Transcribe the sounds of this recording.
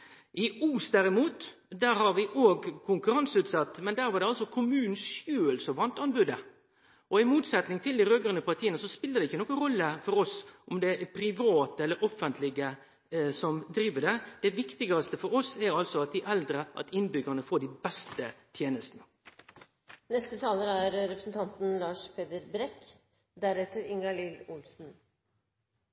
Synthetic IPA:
ʔɪʔuːsd̪æɾɪmuːt̪ | d̪æːɾhɑɾʋɪʔoːɡkʰʊŋkʉɾɑnsʉːt̪sɑt̪ːmɛnd̪æːɾʋɑɖ̪ɛɑlsɔkʰʊmʉːnn̩sʃjøːəlsɔʋɑnt̪ɑnbʉd̪ə | ʔɔɪmuːt̪sɛt̪nɪŋt̪ʰɪld̪ɪɾøːɡəɾənəpʰɑɾt̪ʰiːənəsɔspɪlːəd̪ɛɪçːənɔːkːəɾɔlːəfɔɾɔsʔɔmd̪ɛpʰɾɪʋɑːt̪əɛlːəɾʔɔfənt̪ʰlɪɡə | sɔmd̪ɾiːʋəɖɛd̪̥ɛʋɪkt̪ɪɡɑst̪əfɔɾɔsɛɾɑlsɔɑt̪̚d̪ɪʔɛld̪ɾəʔɑ̰t̪ɪnbʏɡəɳəfoːɖɪbɛst̪ət̪ʰjeːnəst̪ənə | nɛst̪ət̪ʰɑːləɾæɾɾɛpɾəsn̩t̪ʰɑnt̪n̩lɑːʂpʰeːd̪əɾbɾɛk | d̪æɾɛt̪əɾɪŋɑlɪlʊlsn̩

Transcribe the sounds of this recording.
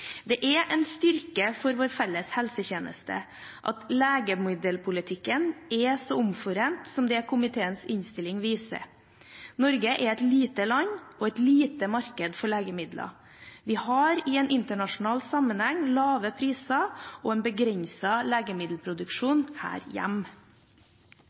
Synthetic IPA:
d̪ɛʔɛʔɛnst̪ʏɾkəfɔɾʋoːɾfɛlːəshɛlsəçeːnə̰st̪ʰə̰ | ʔɑ̰t̪leːɡəmɪd̪əlpʰʊlɪt̪ʰɪkːənɛsɔʊmfɔɾeːnt̪sɔmd̪ɛɛkʰʊmɪt̪ʰeːənsɪnst̪ɪlɪŋʋiːsə̰ | nɔɾɡəʔɛɾɛt̪liːt̪əlɑɲːɔɛt̪liːt̪əmɑɾkəd̪fɔɭeːɡəmɪd̪lʔɑ̰ | ʋɪhɑɾɪɛnʔɪnt̪əɳɑʂʊnɑːlsɑmənhɛŋːlɑːʋəpʰɾiːsɑɔɛːnbəɡɾɛɲsɑleːɡəmɪd̪l̩pʰɾʊd̪ʉkʂuːnhæ̰ːɾjæ̰m

